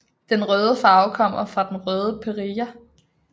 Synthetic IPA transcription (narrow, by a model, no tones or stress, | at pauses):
d̥enʁœːðˠəfɑ̈ʊkʰɒ̽m̰ɐfʁɑ̈d̥enʁœːð̞ˠəpʰeʁiːɐ